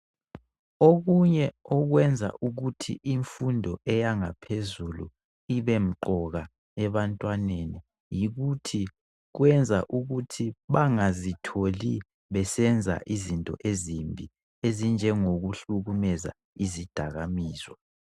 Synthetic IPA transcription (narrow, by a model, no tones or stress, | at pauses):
oɣuɲɛɔɣwɛnd͡zʱa̰ʔuɣutʰḭʔiɱfundʱɔʔɛjaŋapʰezulṵ | iβem̩ǃɔɣa | ɛβantʼwaneni | jiɣutʰi | ɣwɛnd͡zʱaʔuɣutʰiβaŋazitʰoli | βɛsɛnd͡zʱa̰ʔizintʼɔ̰ʔezimbʱi | ezind͡ʒʱɛŋoɣuɬuɣumɛza̰ | izid̥ʱaɣamiːzwɔ